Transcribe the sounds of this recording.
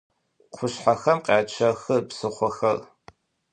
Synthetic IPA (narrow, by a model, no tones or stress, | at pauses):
qʷʰʊɕħaxɐmqʼaːt͡ʃʰɐxɨpsɨχʷɔxɐr